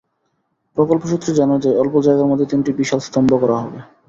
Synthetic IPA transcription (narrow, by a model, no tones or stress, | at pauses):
pɾokolpoʃut̪ːɾed͡ʑanad͡ʑaɔlpod͡ʑajɡaɾmɔd̪ʱːet̪inʈibiʃalst̪ɔmbokɔɾaɦɔbe